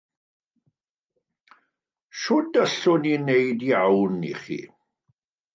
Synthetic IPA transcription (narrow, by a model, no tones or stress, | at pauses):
ʃɔd̪ɐɬɔninɛjd̪iawnːḭχḭ